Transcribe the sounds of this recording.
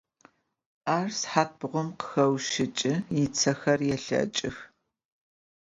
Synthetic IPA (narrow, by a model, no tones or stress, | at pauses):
aːrsħaːt̚bʁʷʊmqə̥xɐwʃɪt͡ʃʼɪjɪt͡sʰɐxɐrjɛɬɐ̰t͡ʃʼɪx